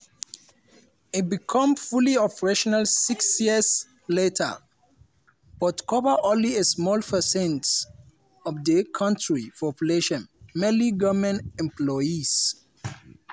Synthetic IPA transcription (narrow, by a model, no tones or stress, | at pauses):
it̚bikʰãmfuliɔpəɹeʃɔnalsiksjiəs | letʰə̰ | b̥ɔtkʰɔvəʔɔ̃nliesmɔlpʰəsɛ̃nt | ɔvdəkʰʌ̃ntɹipʰɔpjuleʃɔ̃nmeliɡɔmɛ̃nɛ̃mplɔjis